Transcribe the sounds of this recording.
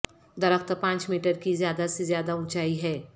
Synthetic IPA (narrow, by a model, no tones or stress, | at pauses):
d̪ɐɾəkʰt̪pãːt͡ʃmiːʈəɾkizjaːd̪asezjaːd̪aʊ̃t͡ʃaːiɦɛː